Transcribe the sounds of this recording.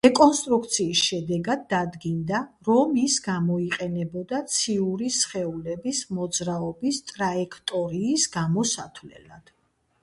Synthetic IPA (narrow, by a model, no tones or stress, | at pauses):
ɾɛkʼɔnst̪ʼɾukʰt̪sʰiːsʃɛd̪ɛɡad̪ːad̪ɡind̪aɾɔmisɡamɔiqʼɛnɛbɔd̪at̪sʰiuɾisχɛulɛbismɔd̪zɾaɔbist̪ʼɾaɛkʰt̪ʼɔɾiːsɡamɔsat̪ʰvlɛ̰lad̪̥